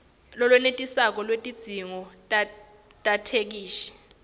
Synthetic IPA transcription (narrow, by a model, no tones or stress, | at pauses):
lɔlwɛnetʼisak̬ɔlwetʼid̥z̥ʱiŋɔtʼ | tʼatʰek̬iːʃɛ̥